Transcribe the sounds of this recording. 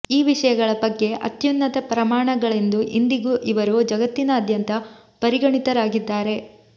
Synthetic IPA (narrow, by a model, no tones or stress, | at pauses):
iːʋiʂɐjɐɡɐɭɐbɐɡːe̞ʔɐ̰t̪junːɐt̪ɐpɾɐmaːɳɐɡɐɭend̪uʔind̪iɡuʔiʋɐɾud͡ʒɐɡɐt̪ːinɐːd̪ʱjɐnt̪ɐ | pɐɾiɡɐɳit̪ɐɾaːɡid̪ːaːɾe̞